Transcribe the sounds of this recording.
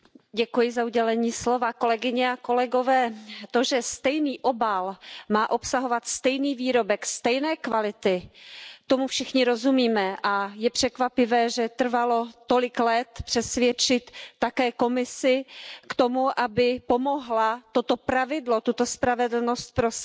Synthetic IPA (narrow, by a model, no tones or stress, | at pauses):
ɟɛkujɪzauɟɛlɛɲiːslo̞vako̞lɛɡɪɲɛako̞lɛɡo̞vɛːt̪o̞ʒɛst̪ɛjniːʔo̞balmaːʔo̞psaɦovat̪st̪ɛjniːviːɾo̞bɛkst̪ɛjnɛːkvalɪt̪ɪt̪o̞mufʃɪxɲɪɾo̞zumiːmɛʔajɛpr̝̥ɛkvapɪvɛːʒɛt̪r̩valo̞t̪o̞lɪklɛt̪pr̥ɛsvjɛt͡ʃɪt̪ːakɛːko̞mɪsɪkt̪o̞muʔabɪpomo̞ɦlat̪o̞t̪o̞pɾavɪdlo̞t̪ut̪o̞spɾavɛdl̩nost̪̚pɾos